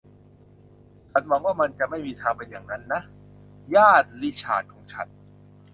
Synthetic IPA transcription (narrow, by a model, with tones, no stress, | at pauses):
t͡ɕʰa˦˥nwa˧˥ŋwaː˥˩ma˧nt͡ɕa˨˩ʔma˥˩jmiː˧t̪ʰaː˧ŋpe˧njaː˨˩ŋna˦˥nːa˦˥ʔ | jaː˥˩t̪̚li˦˥t͡ɕʰa̰ː˨˩t̪̚kʰɔː˨˦ŋt͡ɕʰa̰˦n̚